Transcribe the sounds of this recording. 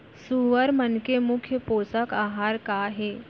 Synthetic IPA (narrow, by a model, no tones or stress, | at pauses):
suʋəɾmənkemukʰjəposəkaɦaɾkaɦe